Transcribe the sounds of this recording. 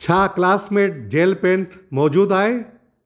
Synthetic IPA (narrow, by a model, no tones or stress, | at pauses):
t͡ɕʰaːklaːsmeːʈ̚d͡ʑeːlpẽːɳʈmɔːd͡ʑuːd̪aːɦeː